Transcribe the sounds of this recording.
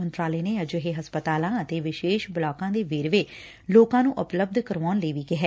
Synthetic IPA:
ənt̪ɾaːleːneːəd͡ʒɦeːɦəspət̪aːlãːət̪eːʋɪʃeːʃbəlaːkãːd̪eːʋeːɾʋeː | loːkãːnũːʔʊpləb̚d̪kəɾʋaːnləiːʋiːkɪɦɛː

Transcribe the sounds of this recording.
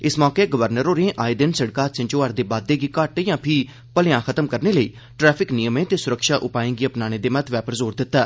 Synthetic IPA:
ɪsmɔːkeːɡəʋəɾnəɾɦoːɾẽːʔaːiːd̪ɪnsəɽkaːt̪sɪ̃ɲt͡ʃoːaːɾd̪eːbaːd̪ːeːɡiːkəʈjãːpʰiː | pəlɪjãːxʰət̪əmkəɾneːləiː | ʈɾɛːpʰɪknijəmẽːt̪eːsʊɾəkʃaːʔʊpaːẽːŋɡiːəpnaːñeːd̪eːmət̪ʰʋɛːpəɾzoːɾd̪ɪt̪ːaː

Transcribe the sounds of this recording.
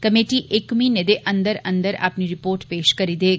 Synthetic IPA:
kɐmeːʈiʔɪkmĩned̪eʔɐ̃nd̪əɾɐ̰̃nd̪əɾa̰ːpniɾɪpoːɾʈpeːʃkɐɾid̪eːɡ

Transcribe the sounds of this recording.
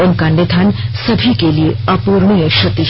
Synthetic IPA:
ənkãɳɖet̪ʰansəbʱikelieəpuɾɳijəɕət̪ːi

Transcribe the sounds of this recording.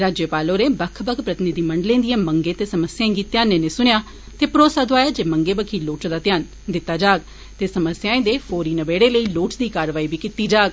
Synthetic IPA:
ɾaːd͡ʒjəpaːlõːɾeːbəkʰbəkʰpɾət̪ɪnɪd̪iːməɳɖlẽːd̪ɪjãːməŋɡẽːt̪eːsəməsjãɡiːt̪jaːnẽːnẽːsʊɽ̃jaː | t̪eːpɾoːsaːd̪oaːjaːd͡ʒeːməŋɡeːbəkʰiːloːʈd̪aːt̪ɪjaːn | d̪ɪt̪ːaːd͡ʒaːɡ̚ | t̪eːsəməsjãːẽːd̪eːpʰoːɾiːnəbeːɽeːləiːloːʈd̪iːkaːɾʋaːiːbiːkɪt̪iːd͡ʒaːɡ

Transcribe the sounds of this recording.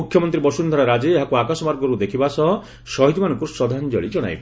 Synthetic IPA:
ukʰjɔmɔnt̪ɾibɔsund̪ʱaɾaɾad͡ʒeːɦakuakasɔmaɾɡɔɾud̪ekʰibasɔɦɔ | sɔɦit̪imanɔŋkuɾsɔd̪ʱand͡ʒɔ̰ɭid͡ʒɔɽa̰jb

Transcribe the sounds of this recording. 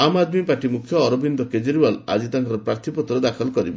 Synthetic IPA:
amad̪mipaɾʈimukʰjɔːɾɔbind̪ɔked͡ʒeɾibala̰d͡ʒit̪aŋkɔɾɔpɾaɾt̪ʰipɔt̪ːɾɔd̪akʰɔlkɔɾibe

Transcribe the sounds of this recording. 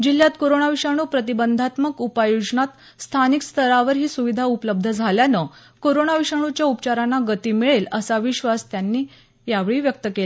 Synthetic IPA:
d͡ʑiljat̪koɾoɳaʋiʂaɽ̃uːpɾət̪̬ibənd̪ʱat̪məkupajod͡zɳat̪ | st̪ʰanikst̪ʰəɾaʋəɾɦiːsuʋid̪ʱaupələb̚d̪ʱəd͡zʱaljanə | koɾoɳaʋiʂaɳ̃ut͡ɕjaupt͡ɕaɾanːaɡət̪iːmiɭeləsaʋiɕʋast̪janːiː | jaʋɭiːʋjək̚t̪əkel

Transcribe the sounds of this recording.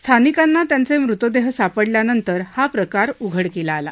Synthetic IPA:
st̪ʰanikanːat̪jant͡semɾut̪əd̪eɦsapəɽljanənt̪əɾhapɾəkaɾuɡʱəɽkelaːla̰

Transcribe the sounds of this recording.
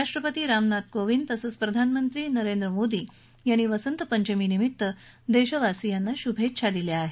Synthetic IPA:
aʂʈɾəpət̪iːɾamnat̪̚koʋint̪əsət͡spɾəd̪ʱanmənt̪ɾiːnəɾend̪ɾəmod̪iː | janːiːʋəsənt̪əpəɲt͡ɕəmiːnimit̪ːə | d̪eɕəʋasijanːaɕubʱet̪ːɕʰad̪iljaːɦe

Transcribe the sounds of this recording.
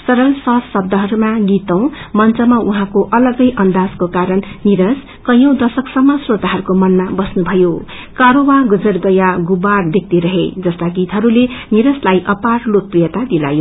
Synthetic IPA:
sʌɾʌlsʌsʌb̚d̪ʌɦʌɾumaɡit̪ʌw̃mʌnt͡sʌmaʔuɦãkoʔʌlʌɡʌjʔʌnd̪ad͡zkokaɾʌnniɾʌs | kʌjʌ̃w̃d̪ʌsʌksʌmːʌsrot̪aɦʌɾukomʌnmabʌsnubʱʌjo | kaɾowaɡʌd͡zʌrɡʌjaɡubarb̪ʱek̚t̪iɾʌɦed͡zʌst̪aɡit̪ɦʌɾuleniɾʌslajʔʌparlok̚prijʌt̪ad̪ila̰jo

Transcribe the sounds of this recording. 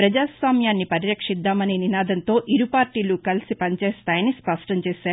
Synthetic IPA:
pɾɐd͡ʒaːsʋaːmjaːnːipɐɾiɾɐkʂid̪ːaːmɐneːninaːd̪ʱɐnt̪o̞ːʔiɾupaːɾʈiːlukɐlisipɐɲt͡ʃɛːst̪aːjnispɐʂʈɐmt͡ʃeːsaːɾ

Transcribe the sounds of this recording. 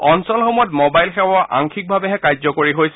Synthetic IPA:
ɔnsɔlxɔmɔjɔt̚mobajlxɛwaʔa̰ŋkʰik̚bʱabɛɦɛkajzɔkoɹiɦojs

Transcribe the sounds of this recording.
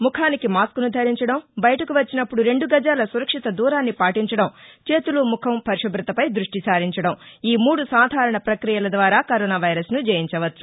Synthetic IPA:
mukʰaːnikimaːskunud̪ʱɐɾiɲt͡ʃɐɽɐmbɐjɐʈɐkuʋɐt͡ʃːinɐpːuɽuɾe̞ɳɖuɡɐd͡ʒaːlɐsuɾɐkʂit̪ɐd̪uːɾaːnːipaːʈiɲt͡ʃɐɽɐmt͡ʃe̞ːt̪ulumukʰɐmpʰɐɾiʂɐbɾɐt̪ɐpɐjd̪ɾuʂʈisaːɾiɲt͡ʃɐɽɐmiːmuːɽusaːd̪ʱaːɾɐɳɐpɾɐkɾijɐlɐd̪ʋaːɾaːkɐɾɔːnaːʋɐjɾɐsnud͡ʒejiɲt͡ʃɐʋɐt̪ːu̥

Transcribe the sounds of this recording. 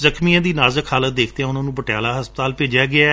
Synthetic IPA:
zəkʰmijãːd̪iːnaːzəkʰhaːlət̪̚d̪eːkʰt̪eːɦãːʊnãːnũːbəʈɪjaːlaːɦəspət̪aːlpeːd͡ʒjaːɡɪa

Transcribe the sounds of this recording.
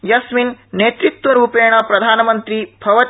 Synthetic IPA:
jɐsminneːt̪ɾit̪wʋɐɾuːpeːɳ̃ɐpɾɐd̪ʱaːnɐmɐnt̪ɾibʱɐʋɐ

